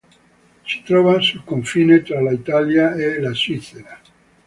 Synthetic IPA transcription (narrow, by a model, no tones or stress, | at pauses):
se̥t̪ɾoβasukoɱfinet̪ɾalait̪aljaelasiθeɾa